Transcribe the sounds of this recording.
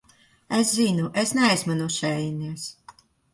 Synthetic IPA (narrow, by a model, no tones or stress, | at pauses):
eszinuʔesnɛajzmanuʃɛjniɛs